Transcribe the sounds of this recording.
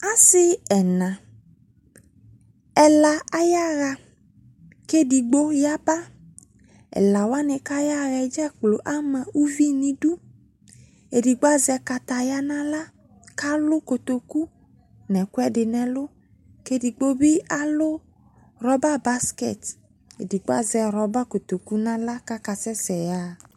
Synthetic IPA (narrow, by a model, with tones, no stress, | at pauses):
a˦sɪ˦ɛ˨nã˨ | ɛ˨la˨a˦ja˦ɣa˨ | ke˦di˨ɡ͡bo˦ja˦ba˦ | ɛ̰˨la˨wa˦nɪ̃˧ka˦ja˦ɣɛ˨d͡ʒɛ˦k͡plo˨ʔa˦mã˨u˦vi˦nĩ˦du˦ | e˨di˨ɡ͡ba˦zɛ˧ka˨ta˨ja˦nã˦la˦ | ka˦lʊ˦ko˨t̪o˨ku˦ | nɛ˨kʷɛ˦dɪ˨nɛ˨lʊ˦ | ke˦di˨ɡ͡bo˦bɪ˦a˦lʊ˦ | ɾɔ˦ba˦ba˦skɛ̰˨t | ḛ˨di˨ɡ͡ba˦zɛ˨ɾɔ˨ba˦ko˨t̪o˨ku˦nã˦la˦ka˦ka˨sɛ˦sɛ˨ja˦˨